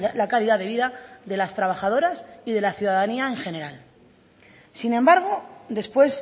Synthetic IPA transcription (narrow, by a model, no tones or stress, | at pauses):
lakaliðaðe̞β̞iðaðe̞last̪ɾaβ̞axað̞o̞ɾasiðe̞laθjuðaðaniaeŋxe̞ne̞ɾal | sinẽ̞mbaɾɣ̞od̪e̞spwe̞s